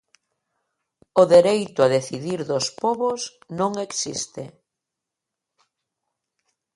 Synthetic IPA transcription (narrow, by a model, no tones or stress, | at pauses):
oðeɾejt̪ʊaðeθiðiɾðospɔβosnõŋeksist̪ɪ